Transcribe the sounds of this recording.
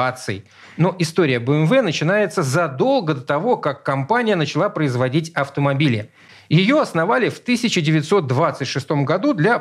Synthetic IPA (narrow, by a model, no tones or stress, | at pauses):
at̪sɨjɪ | no̞ʔɪst̪oɾʲɪjəbəɛmvɛnət͡ɕɪnajɪt̪səzɐd̪o̞lˠɡəd̪ət̪ɐvo̞kakːɐmpanʲɪjənət͡ɕɪlˠapɾəɪzvɐdʲitʲɐft̪əmɐbʲilʲɪ | jɪjo̞ɐsnɐvalʲɪft̪ɨsʲɪt͡ɕɪdʲɪvʲɪt̪so̞t̪̚d̪vat̪sɨtʲʂɨst̪o̞mɡɐd̪ud̪lʲa